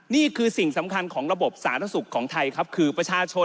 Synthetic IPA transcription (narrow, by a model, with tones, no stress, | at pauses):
niː˥˩kʰɯː˧si˨˩ŋsa˩˦mkʰa˧nkʰɔː˩˦ŋɾa˧bo˨˩p̚saː˩˦nt̪ʰa˧˥su˨˩kʰːɔː˩˦ŋt̪ʰa˧jkʰa˦˥p̚kʰɯː˧pɾa˧t͡ɕʰaː˧t͡ɕʰo˧